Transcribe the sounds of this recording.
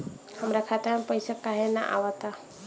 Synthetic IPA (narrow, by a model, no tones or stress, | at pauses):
həmɾakʰat̪amepəjsakaɦena̰ʔa̰wət̪a